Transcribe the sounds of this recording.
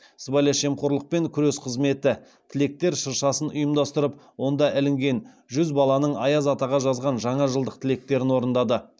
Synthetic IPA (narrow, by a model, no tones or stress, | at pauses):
səbɑlʲɑʃe̞mqoɾlˠəq̚pe̞ŋkʲʰʏɾesqʰəzme̞t̪ɪ | t̪ʰɪle̞k̚t̪e̞ɾʃəɾʃɑsənʊjəmd̪ɑst̪əɾəp̚wo̞nd̪ɑʔɪlɪŋɡʲe̞n | ʒʏzbɑlˠɑnəɴɑjɑzɑt̪ɑʁɑʒɑzʁɑnʒɑɴɑʒəlˠd̪əq̚t̪ʰɪle̞k̚t̪e̞ɾɪnwo̞ɾənd̪ɑd̪ə